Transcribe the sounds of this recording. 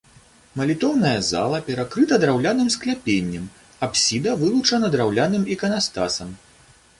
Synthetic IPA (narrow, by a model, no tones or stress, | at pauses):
mɐlʲit̪ɔwnɐjɐza̰lˠɐpʲɛɾakɾɨt̪ɐd̪ɾawlʲanɨmsklʲapʲenʲːɐm | apsʲid̪ɐvɨlˠut͡ʂɐnɐd̪ɾawlʲanɨmikɐnast̪asɐm